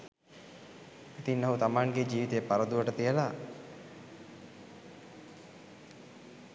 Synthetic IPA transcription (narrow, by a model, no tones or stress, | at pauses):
it̪innaɦut̪amaŋɡed͡ʒiːʋit̪ejpaɾəd̪uʋəʈət̪ijəla